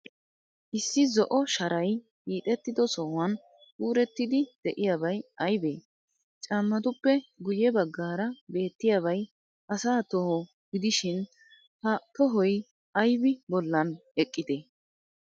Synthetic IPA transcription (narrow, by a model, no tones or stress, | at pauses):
ʔɪsːɪzɔʔɔʃɐɾɐj | kiːt̪ʼɛt̪ːɪd̪ɔsɔwɐn | uːɾɛt̪ːɪd̪ɪd̪̥ɛʔɪjaːbɐjɐjbḛː | t͡ʃʼɐmːɐt̪ʊpːɛɡʊjɛbɐɡːaːɾɐbe̞ːt̪ːɪjaβɐj | ʔɐsaːt̪ɔhɔ | ɡɪd̪ɪʃɪn | hɐt̪ɔɦɔj | ɐjbɪbɔlːɐnɛkʼːɪd̪eː